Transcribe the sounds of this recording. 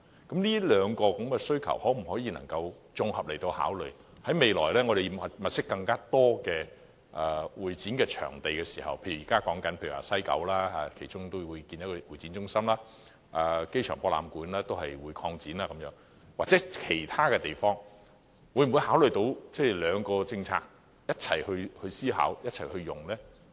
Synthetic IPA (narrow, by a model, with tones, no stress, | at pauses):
kɐ˨˦˥mliː˥lœː˨˧ŋkɔː˧kɐ˨˧˥mkɛ˧sɵ˥ɥkʰɐ̰˨˩whɔː˨˥m̩˨˩hɔː˨˥jiː˧nɐ̰˨˩ŋkɐ˧w | t͡sʊ˨˧ŋhɐ˨p̚le˨˩jt̪o˧wha̰ː˨˥wlɵ̰˨ɥ | hɐ˨˥jme˨jlɔ̰ː˨˩jlɛː˥ŋɔː˨˧d̪e˨ji˨˥˩ɐ˨mɐ˨t̚sɪ˥kːɐ˧ŋkaː˥t̪ɔː˥kɛː˧ | ʔɛː˨wuː˨˩jt͡siː˨˥nkɛː˧t͡ʃʰœ̰ː˨˩ŋt̪e˨jkɛː˧siː˨˩hɐ̰˨wpʰe˧jy˨˩˨iː˨˩kaː˥kɔː˨˥ŋkɐ˨˥npʰe˧jy̰˨˩wa̰ː˨sɐ˥jkɐ̰˨˥wlaː˥a˧kʰe˨˩jt͡ʃʊ˥ŋt̪o˥wwuː˨˧jkiː˧njkːwuː˨˩jt͡si˨˥nt͡sʊ˥ŋsɐ˥mlaː˥ | ʔaː˧ke˥jt͡ʃʰœː˨˩ŋpɔː˧la̰ː˨˧mkuː˨˥nlaː˥t̪o˥whɐ˨jwuː˨˧jkʰɔː˧ŋt͡siː˨˥naː˥˧kɐ˨˥mjœː˨˥ŋ | waː˨˩t͡sɛː˨˥kʰe˨˩jt̪ʰaː˥kɛː˧t̪e˨jfɔː˥ŋ | wuː˨˧jm̩˨wu˨˧jhaː˨˥wlɵ˨˩t̪o˨˧˥wt͡sɛ˥˨˩lœː˨˧ŋkɔː˧t͡sɪ˧ŋt͡sʰa̰ː˧k̚ | jɐ˥t̚t͡sʰɐ̰˨˩jhɵ˧ɥhɵ˧ɥsiː˥ɦa̰ː˨˥wjɐ˥t̚t͡sʰɐ˨˩jhɵ˧ɥjʊ˨˩ŋlɛː˥